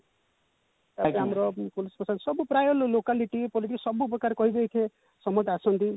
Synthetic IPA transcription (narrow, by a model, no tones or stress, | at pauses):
t̪aeamɾɔpulispɔsad̪sɔbupɾajɔllokaliʈipɔliʈikɔsɔbupɔkaɾkɔɦib̪ejt̪ʰe | sɔmɔt̪asɔnt̪i